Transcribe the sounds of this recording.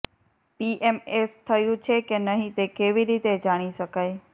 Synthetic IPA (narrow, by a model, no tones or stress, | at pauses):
piːʔeːmeːst̪ʰɐjũt͡ɕʰekenɐɦĩt̪ekeːʋiɗiːt̪ed͡ʑaːɽ̃isɐkəe